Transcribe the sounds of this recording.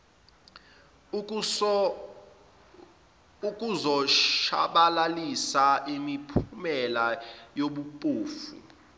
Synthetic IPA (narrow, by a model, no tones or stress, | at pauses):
ukʼuzɔʃa̰ɓalalisaʔimipʰumɛlajoɓupʼuːfṵ